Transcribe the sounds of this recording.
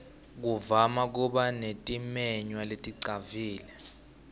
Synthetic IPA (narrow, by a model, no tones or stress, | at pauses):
k̬uvamak̬uɓanetʼimɛɲwaletʼiǀaviːlɛ